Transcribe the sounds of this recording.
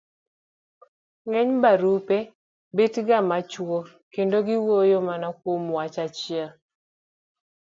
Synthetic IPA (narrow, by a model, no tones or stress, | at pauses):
ŋɛɲbaɾupɛ | betɡamat͡ʃwɔ | kendoɡɪwojomanakwomwat͡ʃat͡ʃɪa